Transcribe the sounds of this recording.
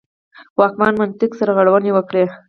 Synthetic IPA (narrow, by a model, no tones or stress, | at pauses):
wɑk̚mɑnmant̪ɪksaɾaɣaɽawənewəkɽe